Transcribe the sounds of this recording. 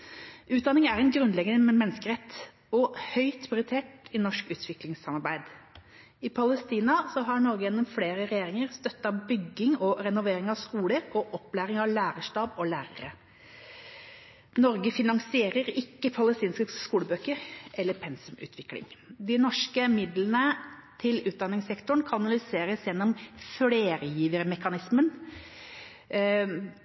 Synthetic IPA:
ʉːt̪̚d̪ɑnɪŋæɾɛnɡɾʉnd̪lɛɡənəmɛnːəskəɾɛt̪ː | ɔhœʏt̪ʰʊɾɪt̪ʰeːʈɪnɔʂkʉːt̪ʰʋɪklɪŋsɑmɑɾbæɪd̪ | ɪpʰɑləst̪iːnɑsɔɦɑɾɳɔɾɡəjɛnːɔmfleːɾəɾɛjeːɾɪŋəɾst̪œt̪ːɑbʏɡːɪŋɔɾɛnʊʋeːɾɪŋɑʋskuːləɾɔʔɔpːlæːɾɪŋɑʋlæːɾəʂʈɑːbɔlæːɾə̰ɾə̰ | nɔɾɡəfɪnɑŋsɪeːɾəɾɪkːəpʰɑləst̪iːnskəskuːləbøːkəɾɛlːəɾpʰɛnsʉmʉ̰ːt̪ʰʋɪklɪ̰ŋd̪ɪnɔʂkəmɪd̪lənət̪ʰɪlʉːt̪̚d̪ɑnːɪŋsɛkt̪ʊɳkʰɑnɑnɑlʏseːɾəsjɛnːɔmfleːɾəjiːʋəɾmɛkɑnɪsmən

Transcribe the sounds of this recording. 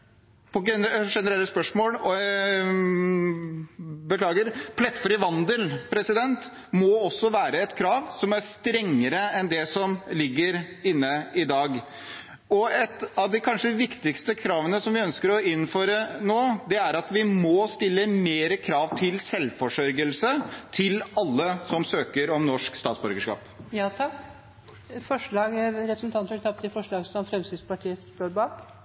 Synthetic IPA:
pʰɔɛʂɛnəɾɛlːəspœʂmoːl | bəkʰlɑːɡəɾpʰlɛt̪ːfɾɪʋɑnd̪əlpʰɾɛsɪd̪ɛnt̪ | mɔɔsːɔʋæːɾəɛt̪kʰɾɑːʋsɔmæɾst̪ɾɛŋːəɾəɛnd̪ɛsɔmlɪɡːəɾ | ɪnːəɪd̪ɑːɡ | ɔɛt̪ɑʋd̪ɪkʰɑnʂəʋɪkt̪ɪkst̪əkʰɾɑːʋənəsɔmʋɪœnskəɾɔɪnːføːɾənoːd̪ɛæɾɑt̪ʋɪmɔst̪ɪlːəmeːɾəkʰɾɑːʋt̪ʰɪlsɛlfɔʂœɾɡəlsət̪ʰɪlɑlːəsɔmsøːkəɾɔmnɔʂkst̪ɑːt̪sbœɾɡəʂkɑ̰ːpjɑːt̪ʰɑk | fɔʂɭɑːɡɾɛpɾəsn̩t̪ʰɑnt̪əbɛt̪ɑp̚t̪ɪfɔʂɭɑːɡsɔmfɾɛmsɪd̪spɑʈʰiːət̪oːɾbɑːk

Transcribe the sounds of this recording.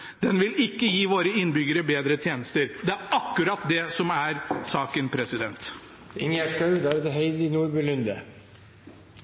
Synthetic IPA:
d̪̥ɛnʋɪlɪkːəjiːʋoːɾəɪnːbʏɡəɾəbeːd̪ɾət̪ʰjeːnəst̪əɾd̪ɛæɾɑkːʉɾɑt̪d̪ɛsɔmæɾsɑːkənpʰɾɛsɪd̪ɛnt̪ | ɪŋæʂkɑʉd̪æɾɛt̪ɛɦeɪɪnuːɾbʉːlʉnd̪ə̰

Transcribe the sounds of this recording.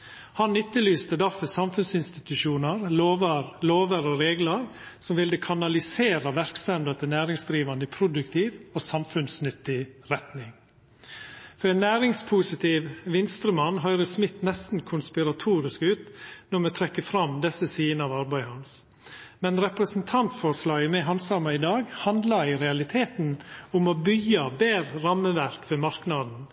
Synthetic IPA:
hɑnːʏt̪ːəlyːst̪əd̪ɑfəsɑmfʉnsɪnst̪ɪt̪ʉʃuːnəɾloːʋəɾloːʋəɾɔɾeːɡləɾsɔmʋɪld̪əkʰɑnɑlɪseːɾɑʋæɾksɛmd̪ət̪ənæːɾɪŋsd̪ɾiːʋɑnd̪əpʰɾʊd̪ʉkt̪ʰiːʋoːsɑmfʉnsnʏt̪ːɪɾɛt̪nɪŋ | fɔɾɛːnːæːɾɪŋspʰʊsɪt̪ʰɪːʋʋɪnst̪ɾəmɑnːɦœʏɾəsmɪt̪ːnɛst̪n̩kʰʊnspɪɾɑt̪ʰuːɾɪskʉːt̪nɔɾmɛt̪ʰɾɛkːəfɾɑmd̪ɛsəsiːənəɑʋɑɾbæɪhɑns | mɛnɾɛpɾəsn̩t̪ʰɑnt̪fɔʂlɑːɡəmɛɦɑnsɑmɑɪd̪ɑːɡhɑnd̪lɑiɾɛɑlɪt̪ʰeːt̪nʊmɔbʏɡːɑbeːɾɾɑməʋæɾkfɔmɑɾknɑd̪n̩

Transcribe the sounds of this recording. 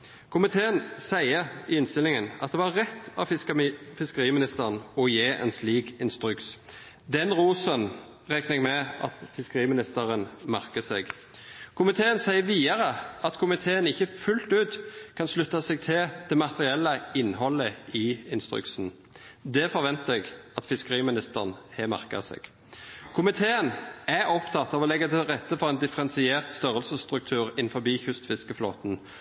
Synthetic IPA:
kʰʊmɪt̪ʰeːənsæɪəɾɪɪnst̪ɪlɪŋənɑ̰t̪̚d̪ɛʋɑʁɛt̪ːɑ̰ | fɪskəʁiːmɪnɪst̪əʁnɔjeːʔɛ̰nsliːkɪnst̪ɾʉks | d̪ɛnʁuːsən | ʁɛknɛɡmɛɑ̰t̪fɪskəʁiːmɪnɪst̪əʁənmæʁkəsɛ̰ɡ | kʰʊmɪt̪ʰeːənsæɪəʋiːɑʁəɑt̪kʰʊmɪt̪ʰeːənɪçːəfʉlt̪ʉːt̪kʰɑnslʉt̪ːɑsɛɡ̚t̪ʰɪld̪̥ɛmɑt̪əʁɪɛlːəɪnːhɔlːəɪɪnst̪ʁʉ̰ksn̩ | d̪ɛfɔʁʋɛnt̪əɛɡɑt̪fɪskəʁiːmɪnɪst̪əʁnhɛmɑ̰ʁkɑ̰sɛ̰ːɡ̥ | kʰʊmɪt̪ʰeːənæɔpt̪ʰɑt̪ːɑʋɔlɛɡːət̪ʰɪlʁɛt̪ːəfɔʁɛɪnd̪ɪfəʁɛnsɪeːʁt̪st̪œʁəlsəst̪ʁʉk̚t̪ʰʉːʁɪn̩fɔbiːçʉst̪fɪskəflo̰ːt̪n̩

